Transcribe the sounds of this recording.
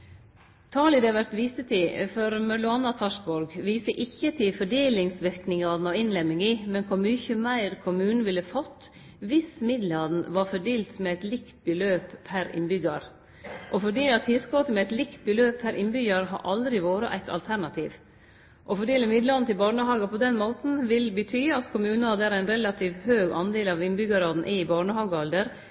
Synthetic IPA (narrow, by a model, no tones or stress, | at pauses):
t̪ʰɑːlɪd̪ɛɑʋæɾt̪ʋiːsət̪ʰɪfɔɾmɑlʊɑnɑsɑʂbɔɾɡʋiːsəʔɪçːət̪ʰɪfɔɖeːlɪŋsʋɪɾknɪŋɑd̪n̩ɔɪnlɛmːɪŋimɛnkʰʊɾmʏçəmæɪɾkʰʊmʉːnn̩ʋɪlːəfɔt̪ː | ʋɪsmɪd̪lɑd̪n̩ʋɑɾfɔɖeːlt̪mɛæɪt̪lɪkt̪̚bəløːpʰæɾɪ̰nbʏɡɑɾ | ʔɔfɔɖiːɑt̪ʰːɪskoːt̪əmɛæɪt̪lɪkt̪̚bəløːpʰːæɾʔɪnbʏɡɑɾɦɑ̰ɾʔɑld̪ɾɪʋoːɾəʔæ̰ɪt̪ʰɑ̰lt̪ʰæɾɳɑt̪ʰiːʋ | ʔɔfɔɖeːləmɪd̪lɑd̪nt̪ʰɪlbɑːɳəɦɑːɡəpʰɔd̪ɛnmoːt̪n̩ʋɪlbət̪ʰyːɑt̪kʰʊmʉːnɑd̪æɾæɪnɾɛlɑt̪ʰiːft̪høːɡɑ̰nd̪eːlɑʋɪnbʏɡɑɾɑd̪n̩ʔɪbɑːɳəɦɑːɡəɑld̪əɾ